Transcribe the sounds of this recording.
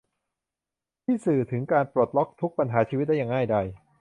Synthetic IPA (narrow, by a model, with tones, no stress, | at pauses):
t̪ʰiː˥˩sɯː˨˩t̪ʰɯ˩˦ŋkaː˧npɾo˨˩t̪̚lɔ˦˥k̚t̪ʰu˦˥k̚pa˧nɦaː˩˦t͡ɕʰiː˧wt̪̚da˥˩jaː˨˩ŋaː˥˩jda˧j